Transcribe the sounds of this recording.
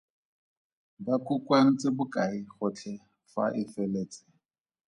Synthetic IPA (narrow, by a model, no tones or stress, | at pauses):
bakʰʼukʼwan̩t͡sʼɪbʊkʼaiχʊt͡ɬʰɛ | fa̰ʔɪfɛleːt͡sʼɪ̥